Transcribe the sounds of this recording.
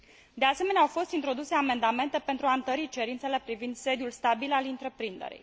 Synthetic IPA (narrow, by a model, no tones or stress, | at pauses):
d̪e̞ase̞me̞neawfo̞st̪int̪ɾo̞d̪use̞ame̞nd̪ame̞nt̪e̞pe̞nt̪ɾuaɨnt̪əɾit͡ʃe̞ɾint̪se̞le̞pɾivind̪se̞d̪julst̪abilalint̪ɾe̞pɾind̪e̞̰ɾḭj